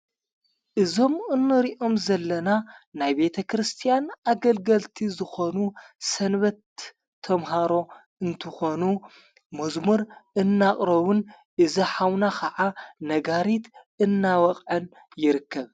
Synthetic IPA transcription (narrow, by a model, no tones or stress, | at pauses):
ʔɨzo̞mɨnːɨɾiʔo̞mzɐlːɐnanajbe̞t̪ʰɐkʰɾɨst̪ʰijanaɡɐlɡɐlt̪ʰizɨxo̞nusɐnβɐt̪ʰː | ɐmɦaɾo̞ | ɨnt̪ʰɨxo̞nu | mɐzmuɾʔɨnːaχʼɾɐβun | ʔɨzɐħawnakʰɐʕanɐɡaɾit̪ | ɨnːawɐqʼʕɐn | jɪɾɨkʰːɐβ